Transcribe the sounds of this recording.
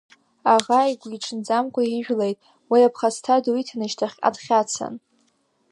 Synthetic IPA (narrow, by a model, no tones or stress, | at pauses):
aʁaiɡʷiʈ͡ʂʰɨnd͡zamkʷʼaiʒᶣlejtʼ | wiapʰχastʰaduitʰanɨʃtʰaχʲa̰dχʲat͡sʰa̰n